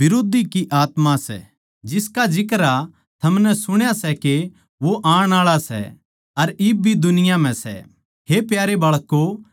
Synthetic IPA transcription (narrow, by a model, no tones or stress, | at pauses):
bɪɾoːd̪ʱikiʔaːt̪mãsɛ̰ | d͡ʒɪskad͡ʒɪkɾa | t̪ʰɐmnɛsʊɽ̃jasɛke | ʋoʔãːɽ̃aːɭasɛ̰ | ɐɾɪbbʱid̪ʊnɪjam̤ɛ̃sɛ̰ | hepjaːɾebɐɭkːo